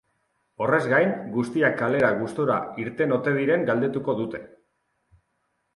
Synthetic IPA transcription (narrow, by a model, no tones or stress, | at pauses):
o̞re̞zɡajnɡust̪iakale̞ɾaɣust̪oɾa̰iɾt̪e̞no̞t̪e̞ð̞iɾe̞ŋɡald̪et̪uko̞ðut̪e̞